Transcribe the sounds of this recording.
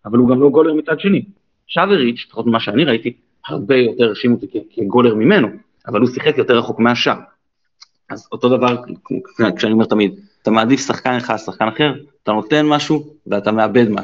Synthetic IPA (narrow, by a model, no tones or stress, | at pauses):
avaluɡamlo̞ɡo̞le̞ʁmit͡sad̪ʃe̞ni | ʃaveʁiʃe̥fḁχot̪mimaʃeaniʁait̪i | ha̰ʁbe̞jo̞te̞ʁːeʃimot̪ikekʰeɡo̞le̞ʁmime̞no̞ | avalhusiχekjo̞te̞ʁːaχo̞kmeaʃa | azo̞t̪o̞d̪avaʁ | kʃeaniome̞ʁtamid̪at̪amaːd̪ifsaχkanleχasaχkanaχe̞ʁat̪ano̞t̪e̞nmaʃuveat̪ame̞abe̞d̪ma̰